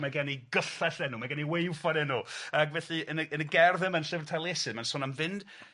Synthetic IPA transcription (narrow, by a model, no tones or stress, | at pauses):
maɡaniɡəɬaɬɛnumaɡaniwejwfanɛnuaɡvɛɬiənəʔənəɡɛrðɪmənɬɪvrtʰalˠjɛsɨmansɔːnamvɪnd̥